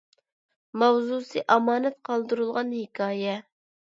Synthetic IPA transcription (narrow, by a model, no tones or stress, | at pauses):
mɑwzusɨʔɑmɑːnɛt̪̚qʰɑlˠd̪ɨɾulˠʁɑnhekʰɑːjɛ